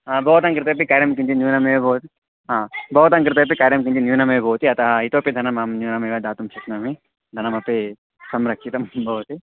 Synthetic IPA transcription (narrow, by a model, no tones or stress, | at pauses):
aːbʱɐʋt̪ɐŋkɾɨt̪ɐp̬ikaːɾjɐmk̬int͡ʃinjuːnɐmeʋbʱɐwt̪i | ɦaːbʱɐʋut̪ɐŋkɾɪt̪ɐp̬ikaːɾjɐmk̬ind͡ʒinjuːnɐmeʋbʱɐwt̪iɐt̪ɐɦɐit̪oːpid̪ʱɐnɐmɐmnjuːnɐmeʋɐd̪aːt̪umt͡ʃit̪nɐmi | d̪ʱɐnɐmɐpi | sɐmɾɐkʂit̪ɐmbʱɐʋt̪i